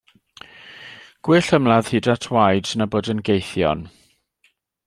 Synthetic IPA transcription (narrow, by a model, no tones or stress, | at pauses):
ɡ̥wɪɬəmlˠað̥hidatʰwajdnaboːdənɡejθjɔ̰n